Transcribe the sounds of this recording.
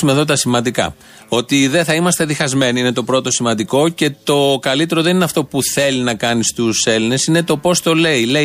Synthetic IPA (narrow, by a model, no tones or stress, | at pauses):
ume̞ðo̞t̪̬ɐsimɐnd̪ikɐ̰ | o̞t̪iðeθɐimɐst̪eðixɐzme̞niinet̪o̞pɾo̞t̪o̞simɐnd̪iko̞ce̞t̪o̞kɐlit̪e̞ɾoðe̞nineɐft̪o̞puθe̞linɐkɐnist̪use̞line̞sine̞t̪o̞po̞st̪o̞le̞ile